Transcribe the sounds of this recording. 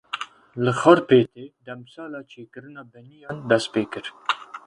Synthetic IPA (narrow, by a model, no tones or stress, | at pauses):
lɨxɔɾpeːt̪eːd̪ɛmsɑːlɑːt͡ʃʰeːkɨɾɨnɑːbɛnijɑːnd̪ɛst̪̚peːkɨɾ